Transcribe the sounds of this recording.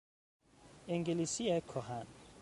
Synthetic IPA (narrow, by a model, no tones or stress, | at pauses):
ɛŋɡʱelisiakʰɔhan